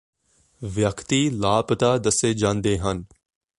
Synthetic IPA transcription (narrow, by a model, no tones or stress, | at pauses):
ʋjəkt̪ilaːpət̪aːd̪əseːd͡ʒãːnd̪eːɦɐn